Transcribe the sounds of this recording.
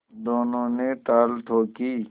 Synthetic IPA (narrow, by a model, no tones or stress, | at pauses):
d̪oːnõneʈ̪aːlt̪ʰoːkiː